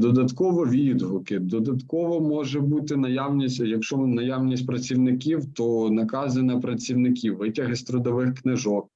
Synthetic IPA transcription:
d̪ɔd̪ɐt̪kɔʋɔʋʲid̪ɦʊkɪd̪ɔd̪ɐt̪kɔʋɔmɔʒɛbut̪ɪnɐjawnʲisʲtʲjɐkʃɔnɐjawnʲisʲtʲpɾɐt͡sʲiwnɪkʲiwt̪ɔnɐkɑzɐnɐpɾɐtt͡sʲiwnɪkʲiwːɪtʲɐɦɪsʲt̪ɾɔd̪ɔʋɪxknɪʒɔk̚

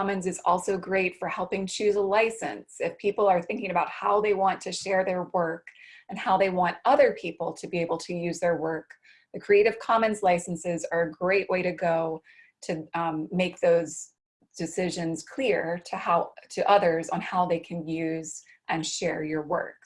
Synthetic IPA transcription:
mɨ̃nzɨzɔ̰lˠsoʊɡɹeɪtfə˞hɛlˠpɪ̃ŋt͡ʃʰʉzəlaɪsɨ̰̃nsɨfpʰipl̩ˠə˞θɪ̃ŋkɪ̃ŋɨbaʊt̚haʊðeɪwɑ̃ntʰɨʃɛɹðə˞wɜ˞kɨ̃nhaʊðeɪwɑ̃ntʌðə˞pʰipl̩ˠtʰɨbieɪbl̩ˠtʰɨjʉzðə˞wɜ˞k̚ | ðɨkʰɹ̥ieɪɾɨv̥kʰɑmɨ̃nzlaɪsn̩sɪzə˞ɨɡɹeɪʔwʔeɪɾɨɡoʊ | tʰɨmeɪk̚ðoʊz | d̥ɨsɪʒɨ̃nz̥kʰl̥ɪɹɾɨhaʊɾʰɨʔʌðə˞zn̩haʊðeɪkʰɨ̃njʉz | ʔɨ̃nʃɛɹjə˞wɜ̰˞k̚

